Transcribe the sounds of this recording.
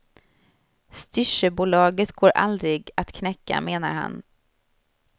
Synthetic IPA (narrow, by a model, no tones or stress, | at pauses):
st̪ʏʂəbuːlɑːɡət̪ɡoːɾʔa̰ld̪ɾɪɡat̪kʰnɛkːa̰meːnaɾha̰n